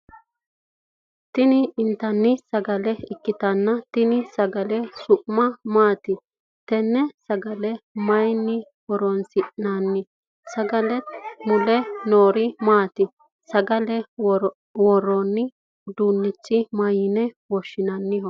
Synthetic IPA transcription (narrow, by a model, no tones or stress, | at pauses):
t̪ɪnɪːnt̪ɐnːɪsɐɡɐlɛɪkːɪt̪ɐnːɐt̪ɪnɪsɐɡɐlɛsʊʔmɐmaːt̪ɪ | t̪ɛnːɛsɐɡɐlɛmɐjnːɪ | wɔɾɔnsɪʔnanːɪ | sɐɡɐlɛt̪mʊlɛnoːɾɪmaːt̪ɪ | sɐɡɐlɛ | wɔɾɔnːɪ | d̪uːnːɪt͡ʃːɪmɐjɪnɛwɔʃːɪnɐnːɪhɔ